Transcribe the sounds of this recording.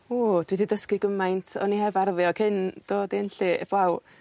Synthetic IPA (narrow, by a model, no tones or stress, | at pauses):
od̥wididəskɨɡəmajntʰɔ̰nihɛvarðjɔkʰɪnd̥oːdenɬiɛ̰b̥law